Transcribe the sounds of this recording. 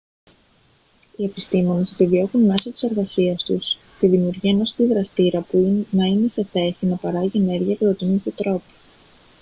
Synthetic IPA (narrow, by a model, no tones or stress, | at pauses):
ie̞pist̪imo̞ne̞se̞pivio̞xunme̞so̞t̪i̥se̞ɾɣɐsiɐst̪ṵs | t̪iðimiuɾʝiɐno̞si̥t̪iðɾɐst̪iɾɐpunɐine̞seθe̞sinɐpɐɾɐʝie̞ne̞ɾʝiɐkɾot̪init̪et̪ɾo̞pi̥